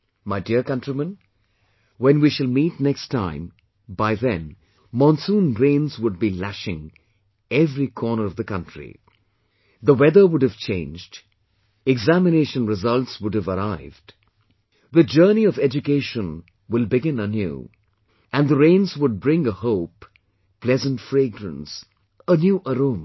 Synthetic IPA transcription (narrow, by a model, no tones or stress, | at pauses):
maɪdiəɹkʌ̃ntɹ̥imə̃n | wɛ̃nwiʃɨlˠmiːtnɛkstʰːãɪ̃m | baɪðɛ̃n | mɑ̃nsũːnɾẽɪ̃nzwʊd̚bilæʃɪ̃ŋ | ɛvɾikʰɔːnə˞ʌvðəkʌ̃ntɹ̥ḭ | ðəwɛðə˞wʊɖɨv̥t͡ʃʰḛ̃ɪ̃nd͡ʒd | ɛɡzæmɨneɪʃə̃nɹɪzʌltswʊdɨvəɾaɪvd̥ | ðɨd͡ʒɜːniʌvɛd͡ʒɨkeɪʃə̃n | wɪlˠbɪɡɪ̃nənjṵ | ʔɨ̃nðəɾẽɪ̃nzwʊd̚bɹɪ̃ŋəhoʊp | plɛzə̃ntfɹeɪɡɾə̰̃ns | ənjuʔəɾõm